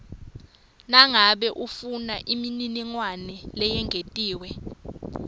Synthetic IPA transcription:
naŋaɓɛʔufunaʔimininiŋwanɛlɛjɛŋʱetʼiːwɛ

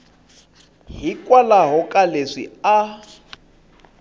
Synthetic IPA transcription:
ɦikʼwalaɦɔkʼaleʂḭa

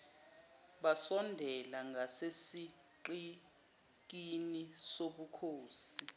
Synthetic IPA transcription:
ɓasɔndʱɛlaŋɡʱasesi | ǃi | k̬inisoɓukʰoːsi

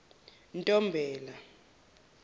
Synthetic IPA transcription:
ntʼɔmbʱɛːla

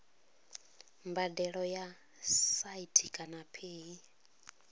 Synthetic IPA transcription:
mbadɛɺɔja | saitʰikʼanapʰeːi

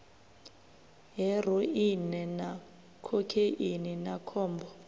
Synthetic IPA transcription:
ɦɛr̤ɔinɛna | kʰɔkʰeʔininakʰɔːmbɔ

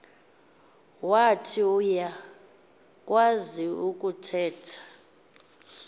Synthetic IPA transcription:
watʰiuja | kʼwaziukʼutʰɛːtʰḁ

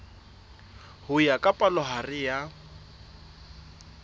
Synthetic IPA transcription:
hʊjakʼapʼalɔɦarɪja

